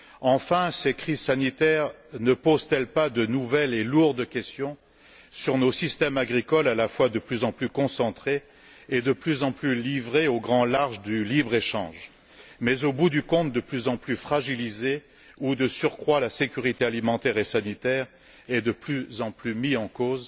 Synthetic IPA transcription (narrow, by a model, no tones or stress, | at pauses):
ɑ̃fɛ̃sɛkχizsanit̪ɛʁnəpozt̪ɛlpad̪ənuvɛleluʁd̪kʲɛst̪jɔ̃ | syʁnosist̪ɛmaɡʁikɔlalafwad̪əplyzɑ̃plykɔ̃sɑ̃t̪χe | ed̪əplyzɑ̃plylivʁeoɡʁɑ̃laʁʒd̪ylibʁeʃɑ̰̃ʒ | mɛzobud̪ykɔ̃t̪̚d̪əplyzɑ̃plyfχaʒilize | ud̪əsyʁkχwalasekʲyʁit̪ealimɑ̃t̪ɛʁesanit̪ɛʁ | ɛd̪əplyzɑ̃plymiɑ̃koz